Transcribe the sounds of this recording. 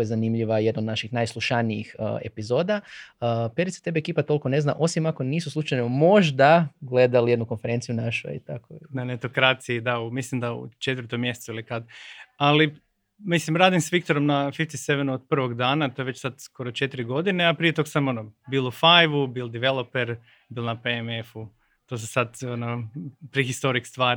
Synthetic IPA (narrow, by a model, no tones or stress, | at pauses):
jezanimʎiʋaje̞d̪nod̪naʃixnajslˠuʃaniḭxe̞̰pizo̞ːd̪aəpeɾit̪sḁt̪e̞beekiːpat̪o̞liko̞ne̞zna̰ʔo̞simako̞niːsuslˠut͡ʃajnomo̞ʒd̪aɡle̞d̪alije̞d̪nukonfe̞ɾe̞nt̪ijunaʃṵḭt̪ako̰nanet̪okɾaːt̪sijid̪aumislimd̪aṵt͡ʃet̪ʋəɾt̪omːjese̥t̪suilikad̪ali | mislimɾaːd̪imsʋikt̪oɾo̞mnafift̪iseʋenuod̪̚pr̩ʋo̞ɡd̪aːnat̪oeʋe̞t͡ɕsad̪sko̞ɾot͡ʃe̞t̪iɾiɡo̞d̪ineapɾiet̪o̞ɡsamo̞nobilufajʋubilˠd̪iʋe̞lˠo̞peɾ | bilˠnapeeme̞fu | t̪o̞ːs̬esad̪onopɾixist̪o̞ɾikst̪ʋaːɾ